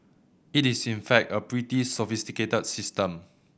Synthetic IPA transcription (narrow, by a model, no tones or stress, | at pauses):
itisĩnfɛk̚təpɹitisɔfistiketədsistə̃m